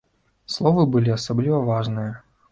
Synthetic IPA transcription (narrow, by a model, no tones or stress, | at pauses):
slˠovɨbɨlʲɪɐsɐblʲivɐvaʐnɨjə